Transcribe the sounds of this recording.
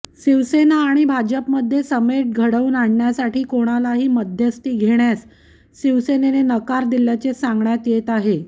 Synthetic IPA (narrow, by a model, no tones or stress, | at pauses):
ɕiʋsenaːɽ̃ibʱad͡ʑəpməd̪ʱːjesəmeʈ̚ɡʱəɽəuːnaɳɳjasaʈiːkoɽ̃alaɦiːməd̪ʱjəst̪iːɡʱeɳjas | ɕiʋsenenenəkaɾd̪iljat͡ɕesãŋɡɳjat̪jet̪aɦe